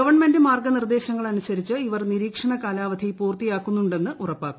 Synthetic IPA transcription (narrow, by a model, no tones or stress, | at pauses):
ɐʋɐrɳme̞ndɨmaːrɡɐnird̪e̞ːɕɐŋːɐɭɐnusɐɾit͡ɕːɨiʋɐrniɾiːkʂɐɳɐkaːlaːʋɐd̪ʱipuːrt̪ijaːkːunːuɳɖe̞nːɨʔurɐpːaːkːu